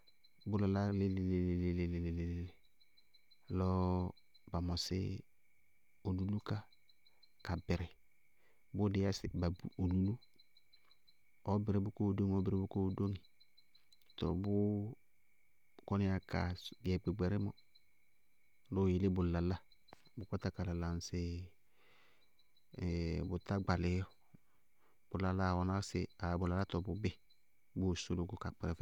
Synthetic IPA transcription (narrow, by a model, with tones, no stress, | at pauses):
bʊ˦la˨la˦lɪ˦lɪ˨le˨lɪ˨lɪ˨lɪ˨lɪ˨lɪ˨le˨lle˨ | lɔ˦ | ba˨mɔ˨sɪ̰˦ | o˨lu˨lu˦ka˦ | ka˨bɪ˨ɾɪ˨ | bʊ˦dɪ˦a˦sɪ˨ba˨bu˨o˨lu˨lu˦ | ɔ˦bɪ˨ɾɪ˨bʊ˦ko˦˨do˦ŋ˨ɔ˦bɪ˨ɾɪ˨˦bʊ˦ko˦˨do˦ŋi˨ | tɔ̰˨bʊ˦ | kɔ˦nɪ˦a˨ka̰˨ɡɛ˨k͡pe˨ɡ͡bɛ˨ɾɪ˦mɔ̰˨ | lo˦˨jɪ˨lɪ˦bʊ˨la˨la˦ | bʊ˨kɔ˦ta˦ka˨la˨la˨n˨sɪ˦˨ | bʊ˨ta˦ɡ͡ba˨lɪ˨˦jɔ˦ | b̥ʊ˨la˨la˦˨wɔ˨na˦sɪ˨a˨bʊ˨la˨la˦tɔ˨bʊ˨bɪ˦ | bʊ˦˨sʊ˦lʊ˨˦ɡʊ˦ka˨k͡pɪ˨ɾɛ˨f